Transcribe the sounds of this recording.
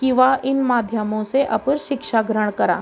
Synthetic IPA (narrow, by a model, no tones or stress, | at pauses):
kiʋaɪnmaːd̪ʱjəmõseʔɐ̰pʊɾʃɪkʃaɡɾəɽ̃kɐɾa̰ː